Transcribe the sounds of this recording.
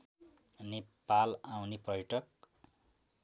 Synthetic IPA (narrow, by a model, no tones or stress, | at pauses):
nepalawniprʌjʈʌk̚